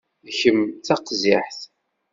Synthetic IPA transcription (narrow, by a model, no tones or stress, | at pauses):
çəmːt͡sɑqːziħθ